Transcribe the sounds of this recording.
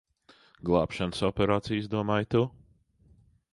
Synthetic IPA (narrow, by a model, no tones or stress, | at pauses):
ɡlˠɑːpʃanəsɔpʲɛɾaːt̪sijsd̪uɔmaːjt̪u